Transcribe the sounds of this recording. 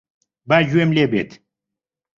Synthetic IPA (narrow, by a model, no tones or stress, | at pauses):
bad͡ʑuemlʲebet̪